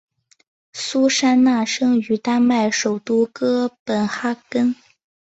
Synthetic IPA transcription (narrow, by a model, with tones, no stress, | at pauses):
su˥ʂa˥nna˥˩ʂɤ˥ŋy˧˩t̪a˥nma˥˩ɪʂo˨˩ʊt̪u˥˩kɤ˥pə˨˩nxa˥kə˥n